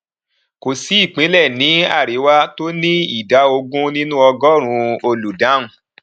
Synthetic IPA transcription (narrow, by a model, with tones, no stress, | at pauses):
ko˨si˨˦i˦˨k͡pĩ˨˦lɛ˦˨nĩ˨˦a̰˦˨ɾe˨˦wa˦to˦nĩ˦i˦˨da˨˦o˧ɡũ˦nĩ˦nũ˦ɔ˧ɡɔ˦˨ɾ̃ũ˧˦o˧lu˨dã˨˦ũ˦